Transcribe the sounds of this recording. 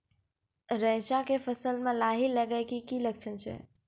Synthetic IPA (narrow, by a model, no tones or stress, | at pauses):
ɾə̃ɦt͡ʃãkefʰəsəlmẽlaɦiləɡəkikilək̚t͡ʃʰənt͡ʃʰɛ̰